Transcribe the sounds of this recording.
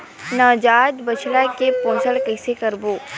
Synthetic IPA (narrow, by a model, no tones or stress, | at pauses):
naːd͡ʒaːd̪bət͡ʃʰlakepõːsəɭkɐɪsekɐɾboː